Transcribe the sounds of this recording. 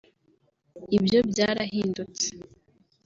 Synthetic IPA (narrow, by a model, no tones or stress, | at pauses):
ibjo̞bɟaːɾaɦiːndut͡se̥